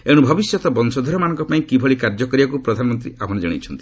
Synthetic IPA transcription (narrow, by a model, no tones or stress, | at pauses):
eɽ̃ubʱɔbisjɔt̪ɔbɔnsɔd̪ʱɔɾɔmanɔ̃ŋkɔpaĩkibʱɔɭikaɾd͡ʒɔkɔɾibakupɾɔd̪ʱanɔmɔnt̪ɾiamɔned͡ʒaɽ̃it͡ʃʰɔnt̪i̥